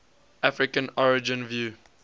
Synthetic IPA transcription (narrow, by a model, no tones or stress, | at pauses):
ʔafɹɪkə̃nɔɹɪd͡ʒɪ̃nvju